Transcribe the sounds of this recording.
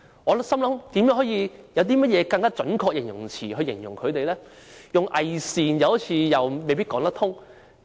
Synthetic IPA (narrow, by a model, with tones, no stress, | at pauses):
ŋɔː˨˧˥lsɐ˥mlɐ˥mt̪iː˨˥mjœː˧˥ŋɦɔː˨˥jiː˧jɐ˨˧wt̪iː˥mɐ˥t̚jɛː˨˧kɐ˧ŋkaː˥t͡ʃɵ˨˥nkʰɔː˧k̚jɪ˨˩ŋjʊ̰˨˩ŋt͡sʰiː˨˩ɦɵ˧ɥjɪ˨˩ŋjʊ˨˩ŋkʰɵ˨˧t̪e˨jlɛː˥jʊ˨ŋʔɐ˨jsiː˨˩njɐ˨˧wo˥t͡sʰiː˧jɐ˨wme˨jpiː˥t̚kɔː˨˥ŋt̪ɐ˥kt̪ʰʊ˥ŋ